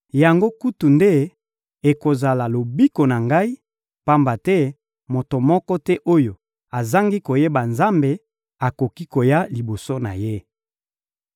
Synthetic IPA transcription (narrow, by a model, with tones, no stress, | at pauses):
ja˨ŋɡo˦ku˦tu˨nde˦ | e˨ko˨za˨la˨lo˨bi˦ko˨na˨ŋɡa˦i˦ | pa˦mba˨tɛ˦ | mo˨to˨mɔ˦kɔ˦tɛ˦ʔo˦jo˨ | a˨za˦ŋɡi˦ko˨je˦ba˨nza˦mbe˨ | a˨ko˨ki˦ko˨ja˦li˨bo˨so˦na̰˨je˦